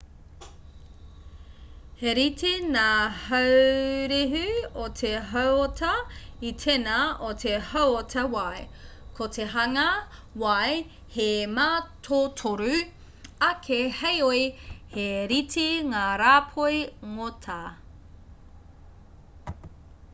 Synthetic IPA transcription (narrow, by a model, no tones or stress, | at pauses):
heɾitʰinaːhɐwɾiɦʉotʰeɦɐwotʰɐitʰenɐotʰehɐwotʰɐwɐj | kʰotʰeɦɐŋɐwɐj | hemaːtʰotʰoɾʉ | ɐkʰehejoiheɾitʰiŋaːɾaːpʰojŋotʰɐ